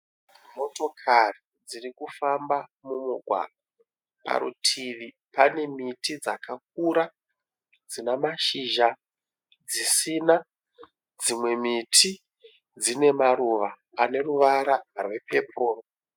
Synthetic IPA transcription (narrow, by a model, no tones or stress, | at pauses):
mo̞to̞kʰari | d͡zirikufambamumuɡʱwa̰ɡʱa | pa̰ɾṵtʰiʋi | pane̞mitid͡zakak̚uɾa | d͡zinamaʃiʒa | d͡zisina | d͡zimwe̞mitʰi | d͡zine̞maɾuʋaː | ne̞ruʋaɾarwepʰe̞pʰoːro